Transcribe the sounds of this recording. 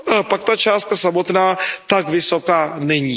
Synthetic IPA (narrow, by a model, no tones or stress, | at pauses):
apak̚t̪at͡ʃaːst̪̚kasamo̞t̪naːt̪akvɪso̞kaːnɛɲiː